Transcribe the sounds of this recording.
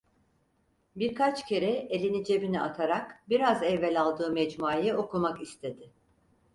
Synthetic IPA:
biɾkʰat͡ʃcʰe̞ɾɛelʲinid͡ʒe̞biniat̪ʰaɾakbiɾazɛvːɛlʲalˠd̪ɯːmɛd͡ʒmuaːjɛo̞kumakist̪ʰe̞d̪ɪ

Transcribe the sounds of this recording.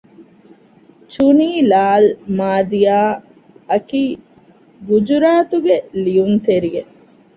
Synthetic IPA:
t͡ʃuniːlaːlmaːd̪ijaː | ɐkiː | ɡud͡ʒuɾaːt̪uɡelijunt̪eɾije

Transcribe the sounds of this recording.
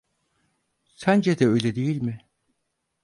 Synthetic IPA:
sænd͡ʒed̪ɛøjlʲɛd̪ejilʲmɪ

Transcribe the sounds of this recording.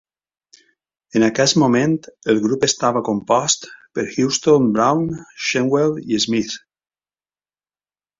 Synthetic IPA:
enakɛsmomẽnt̪əlˠɣɾupest̪aβakompɔst̪pəɾxjust̪onbɾawnʃeŋwɛliezmiθ

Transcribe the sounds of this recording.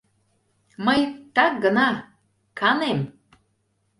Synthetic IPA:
məjt̪ɑkɡənɑ | kɑnem

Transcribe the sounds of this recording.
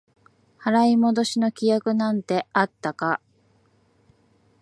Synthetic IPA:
haɾaimo̞d̪o̞ɕino̞kʲijakɯ̟nãnt̪e̞at̪ːaka

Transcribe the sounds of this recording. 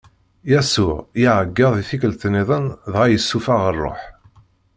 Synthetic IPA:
jæsʊʕjiʕəɡːɑðˤiθikəlt̪nːiðˤənðʁæjəsːufaʁərˤːo̰ħ

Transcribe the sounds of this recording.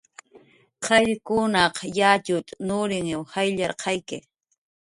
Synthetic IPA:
qʰɑʎkʊnɑqjat͡ʃʊt̪nʊɾɪŋɪwhajʎaɾqʰɑjkɪ

